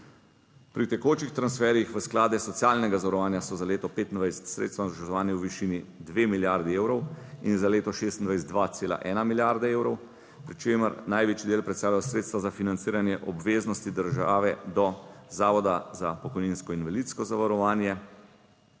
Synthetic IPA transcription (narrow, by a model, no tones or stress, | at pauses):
pɾit̪ɛkoːt͡ʃixt̪ɾansfɛːɾjixʋəsklaːd̪ɛsɔt̪sjaːlnɛɡazaʋaɾɔʋaːnjasɔzaleːt̪ɔpeːt̪ind̪ʋajsɛ̥t̪sɾḛt̪st̪ʋanzʒɛʒɔʋaːnjɛwʋiʃinid̪ʋemiljaɾd̪ieːwɾɔwinzaleːt̪ɔʃeːst̪nd̪ʋajs̬ɛt̪d̪ʋat̪seːla̰ʔɛ̰ːnamiljaɾd̪aeːwɾɔw | pɾit͡ʃeːməɾnajʋeːt͡ʃid̪eːlpɾɛt̪st̪aːlaɔsɾet̪st̪ʋazafinant̪siːɾanjɛʔɔbʋeːznɔst̪id̪əɾʒa̰ːʋɛd̪ɔzaːʋɔd̪azapɔkɔjniːnskɔinʋalit̪skɔzaʋaɾɔʋaːnjɛ